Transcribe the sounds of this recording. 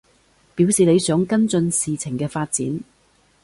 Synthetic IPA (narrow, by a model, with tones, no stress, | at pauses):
piː˨˥wsiː˨le˨˧jsœː˨˥ŋkɐ˥nt͡sɵ˧nsiː˨t͡sʰɪ˨˩ŋkɛː˧faː˧t̚t͡sḭː˨˥n